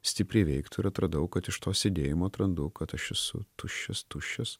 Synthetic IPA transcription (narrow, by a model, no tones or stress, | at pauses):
sʲt̪ʲɪpʲɾʲɛɪʋʲɛɪkt̪ɪɾɐt̪ɾɐd̪ɐʊkɐt̪ɪʃt̪oːsʲɛd̪ʲeːjɪmoːt̪ɾɐnd̪ʊkɐt̪ɐʃɛsʊ̰t̪ʊʃʲt͡ʃːʲɛst̪ʊʃʲt͡ʃʲɛs